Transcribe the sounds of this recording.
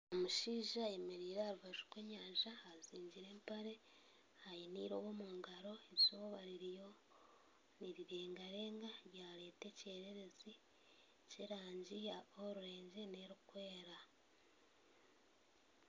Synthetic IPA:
omuʃiːʒajemeɾiːɾaɾuβaʒukweːɲaːɲʒaaziːɲɟiɾe̞ːmpaɾe̞ | hajiniːɾo̞βomuːŋɡaɾo̞eβjoβaɾiɾijo̞ | niɾiɾeːŋɡaɾe̞ːŋɡaɾjaːɾe̞ːte̞ce̞ːɾeɾe̞zi | ceɾaːɲɟiaoɾuɾe̞ːɲɟene̞ɾukwe̞ːɾa

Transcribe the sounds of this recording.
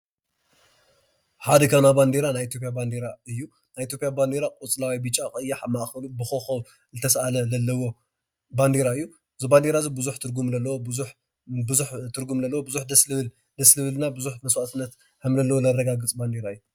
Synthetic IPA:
ħad̪ɐkʰɐnaband̪eɾanajit̪jopʼjaband̪eɾaɨjːu | najʔit̪ʰjo̞pʼjaband̪eɾakʼut͡sʼlawibɨt͡ʃʼakʼɨjːaħmaʔxɐlubɨxoxɐw | zɨt̪ʰɐsʔalɐzɐlːɐwo̞ | band̪eɾaɨjːu | ɨziband̪eɾazibɨzuħt̪ʰɨɾɡumlɐlːɐwobɨzuħ | bɨzuħt̪ʰɨɾɡumlɐlːɐwobɨzuħd̪ɐslɨl | d̪ɐslɨβɨlnabɨzuħmɐswat̪ʰɨnːɐt̪ | hɨmlɐlːɐwolɐrːɐɡaɡɨt͡sʼband̪eɾaɨjːu

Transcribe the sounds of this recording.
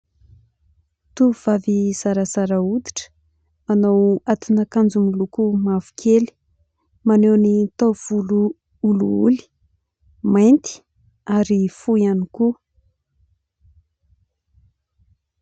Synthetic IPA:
t̪uv̥aviz̥aɾazaɾaud̪i̥ʈ͡ʂə̥ | manawat̪unakand͡zumulukumavu̥kʰeli̥ | manewnit̪av̥ulu | uluṵli̥ | majnt̪i̥ | aɾifuianiku

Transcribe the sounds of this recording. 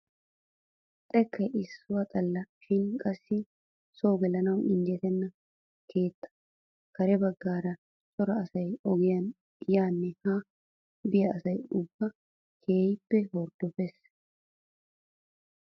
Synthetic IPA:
t̪ʼɛkːɐjɪsːʊwɐt̪ʼɐlːɐʃɪnkʼɐsːɪ | so̞ːɡɛlɐnɐwʔɪnd̪jɛt̪ɛnːɐ | kʰe̞ːt̪ːɐ̥ | kɐɾɛbɐɡːaːɾɐ | sʼɔɾɐɐsɐjɔɡɪjɐn | jaːnːɛha | bɪjɐːsɐjʊbːɐ | kʰe̞ːjɪpːɛhɔɾd̪ɔfɛs

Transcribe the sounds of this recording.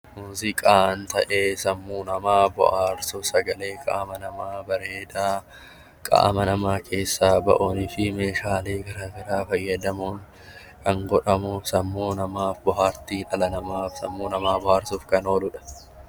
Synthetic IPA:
muːzɪkʼaːɐnt̪ɐʔeːsɐmːuːnɐmaːbɔ̰ʔaːɾsʊsɐɡɐle̞ːkʼa̰ːmɐnɐmaːbɐɾeːd̪aː | kʼa̰ːɐmɐnɐmaːkʰe̞ːsːaːbɐ̰ʔoːnɪfɪmeːʃaːleːɡɐɾɐbɪɾaːfɐjːɐd̪ɐmuːn | kʰɐŋɡɔᶑɐmuːfsɐmːuːnɐmaːfbɔɦaːɾt̪iːᶑɐlɐnɐmaːfsɐ̰mːuːnɐmaːbɔhaːɾsʊːfkɐno̞ːlʊᶑɐ̥

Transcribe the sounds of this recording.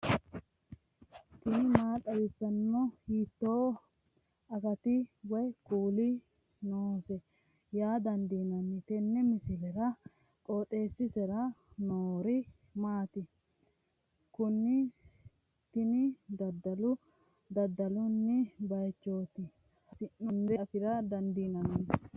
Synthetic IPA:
t̪ɪnɪmaːt̪ʼːɐbɪsːɐnːɔhiːt̪ːoː | ɐkɐt̪ɪwɔjkuːlɪ | noːsɛ | jaːd̪ɐnd̪iːnɐnːɪt̪ɛnːɛmɪsɪlɛɾɐ | kʼoːt̪ʼːeːsːɪsɛɾɐnoːɾɪ | maːt̪ɪ | kʊnːɪ | t̪ɪnɪd̪ɐd̪ːɐlʊ | d̪ɐd̪ːɐlʊnːɪbɐjt͡ʃːo̞ːt̪ɪ | ɐsɪnːʊnd̪ɛt̪ɪɾɐd̪ɐnd̪iːnɐnɐnɪ

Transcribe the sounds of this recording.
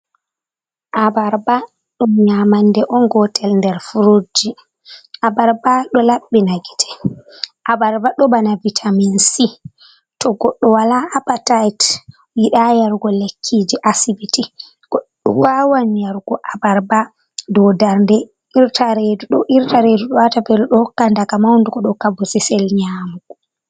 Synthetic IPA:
ʔabaɾba | ɗumɲamandɛʔɔnɡɔtʰɛlndɛɾfuɾod͡ʒi | ʔabaɾbaɗɔlaɓːinaɡitʰɛ̥ʔabaɾbaɗɔbanavitʰaminsi | tɔɡɔɗːɔwalaːpatajt | wiɗajaɾɡɔlekʰːid͡ʒiʔasibiti | ɡ̥ɔɗːɔwawanjaɾɡɔʔabaɾba | dɔdaɾndɛ | ʔiɾtʰaɾeduɗɔʔiɾtaɾeduɗɔwatabɛluɗɔhɔkːandakamawnduɡɔɗɔkabusisɛlɲamɡu

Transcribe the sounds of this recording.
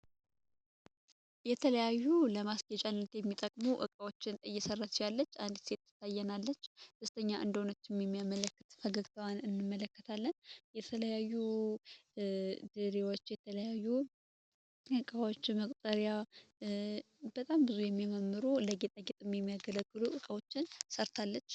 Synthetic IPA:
jɛt̪ʰələjajːuləmasɡət͡ʃʼanːət̪jɛmːit̪ʼəkʼmuʔɨ̰kʼawot͡ʃːɪnt̪ʼəjːɛsərːat̪jalːət͡ʃːand̪se̞t̪ːɨ̥t̪ʰːajːɛnalːət͡ʃːd̪əst̪ʰəɲːaʔɨ̰nd̪əhonət͡ʃ̪ːɪmjɛmːijamələkːɨt̪fəɡəɡt̪ʰəwanɨnːɨmːələkːət̪ʰalːənjɛt̪ʰələjajːu | d̪ɨɾewo̞t͡ʃːjɛt̪ʰələjajːu | ʔɨkʼawo̞t͡ʃːməkʼt̪ʼəɾja | bət̪ʼambɨzujɛmːiməmːɨɾuləɡet̪ʼəɡet̪ʼɨmːjɛmːijaɡələɡːɨluʔɨkʼəwo̞t͡ʃːɪnsəɾt̪ʰalːət͡ʃː

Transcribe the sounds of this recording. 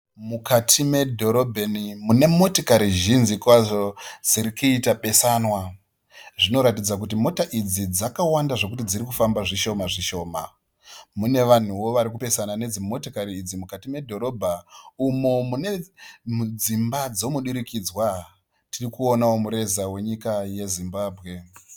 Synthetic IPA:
mukatʰime̞dʱo̞ɾo̞bʱenimune̞mo̞tokaɾiʒinzikwaʐod͡ziɾikuitaɓe̞sanwa | ʐino̞ɾat̬id͡zak̬ut̬imo̞taʔid͡zid͡zakawandaʐo̞k̬utid͡ziɾikufambaʐiʃo̞maʐiʃo̞ːma̰ | mune̞ʋan̤uwo̞ʋaɾik̬upe̞sanane̞d͡zimo̞tokaɾiːd͡zimukatime̞dʱo̞ɾo̞bʱaumo̞mune̞mud͡zimbad͡zo̞muɗiɾikid͡zwa | tirikuonawo̞muɾe̞zawe̞ɲikaje̞zimbaːbʱɣe̞

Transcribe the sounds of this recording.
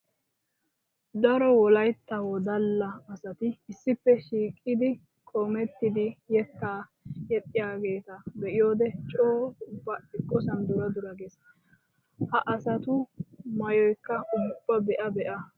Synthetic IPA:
d̪ɐɾɔwɔlɐjt̪ːɐwɔd̪ɐlːɐːsɐt̪ɪɪsːɪpːɛʃiːkʼːɪd̪ɪ | kʼoːmɛt̪ːɪd̪ɪjɛkːaː | jɛt̪ʼːɪjaːɡe̞ːt̪ɐbɛʔɪjo̞ːd̪ɛt͡ʃʼoːʊbːɐɪkʼːɔsɐnd̪ʊɾɐd̪ʊɾɐɡes | hɐʔɐsɐt̪ʊmɐjɔjkːɐʊb̥ːɐbɛʔɐbɛʔɐ

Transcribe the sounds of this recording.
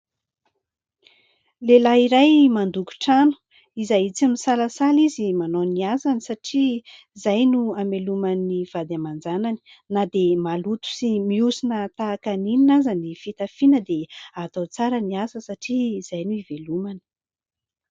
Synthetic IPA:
lelaiɾajmand̪uku̥ʈ͡ʂanu̥ | izajit͡simisalasalizimanoniazanisaʈ͡ʂiizajnuamelumaniv̥ad̪amand͡zanani̥ | nad̪emalut̪u̥simiusinət̪aːkanininazanifit̪afinəd̪eat̪ot͡saɾəniasəsaʈ͡ʂiiz̥ajnuivelumani̥

